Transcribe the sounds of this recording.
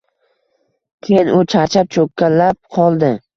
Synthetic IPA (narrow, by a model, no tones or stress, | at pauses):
kʲʰejɪnʊt͡ʃʰaɾt͡ʃʰap̚t͡ʃʰokʲʰːalːap̚qʰɒlˠd̪ɪ